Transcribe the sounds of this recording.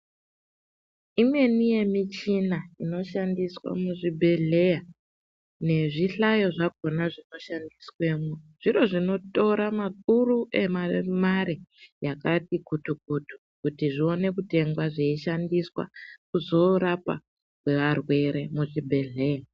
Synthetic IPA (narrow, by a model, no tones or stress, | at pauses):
imwe̞nije̞mit͡ʃinaino̞ʃandiswa̰muʐibʱe̞ɮe̞ja | ne̞ʐiɬajo̞ʐak̚onaʐino̞ʃandiswe̞ːmoʐ̥iɾo̞ʐino̞to̞ɾamak̚uɾuʔe̞mamaɾijakatikutuk̚utu̥ | kutiʐio̞ne̞kute̞ŋɡwaʐeiʃandiswa̰kuzo̞ɾapa̰ | kwe̞ʋarwe̞ɾe̞muʐibʱe̞ɮe̞ːja